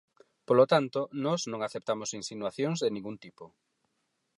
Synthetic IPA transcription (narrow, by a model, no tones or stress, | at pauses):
polot̪ant̪onɔznõŋaθep̚t̪amosinsinwaθjoŋzðenĩŋɡunt̪ipo